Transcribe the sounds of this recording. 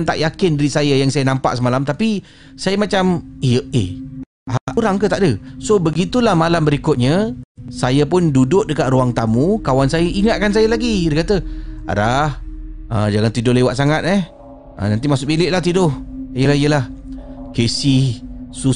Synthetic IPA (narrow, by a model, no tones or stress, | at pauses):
nt̪a̰ʔjakɪndaɾisajajaŋsajanampa̰ʔsəmalamt̪api | sajamat͡ʃamijəe | ʔaɾaŋkət̪aʔdəsobəɡit̪ulahmalambəɾikʊt̪̚ɲasajapʊndudʊʔ̚dəkat̪ɾuaŋt̪amũkawansajəʔiŋat̪̚kans̬ajalaɡidəkat̪əa̰ɾahʔəd͡ʒaŋant̪idʊhlewaʔ̪saŋat̪̚ɛh | ʔə̰̃nant̪imasʊk̚bilɪʔ̚laht̪idʊhijəlahijəlahkesihsu